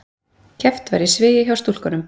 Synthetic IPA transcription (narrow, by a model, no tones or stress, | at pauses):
cʰɛft̪va̰ɾisvɪːjɪçawst̪ul̥kanʏm